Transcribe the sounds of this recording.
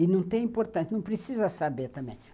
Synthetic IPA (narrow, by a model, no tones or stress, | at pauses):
ɪnɐ̃w̃t̪ẽj̃ĩpoɾt̪ɐ̃sjɐnɐ̃w̃pɾesizɐsabeɾt̪ɐ̃mbḛ̃j̃